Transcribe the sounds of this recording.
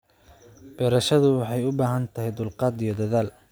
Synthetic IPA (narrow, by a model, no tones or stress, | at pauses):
b̥ɛɾɐʃɐðʊwɑħɑjʊbaːɦɐnt̪ʰɐɦɛjd̪ʊlqɑːd̪ijɞd̪ɐðaːl